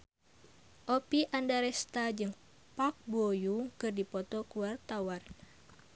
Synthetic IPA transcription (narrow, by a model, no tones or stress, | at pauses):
ʔopiʔandaɾɛst̪ad͡ʒɨŋ | pak̚bojukɨrdipɔt̪ɔkuwart̪awar